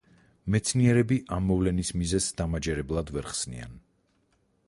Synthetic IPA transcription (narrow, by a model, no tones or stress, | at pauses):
mɛt̪sʰniɛɾɛbiʔamːɔvlɛnismizɛzd̪amad͡ʒɛɾɛblˠad̪vɛɾχsnḭa̰n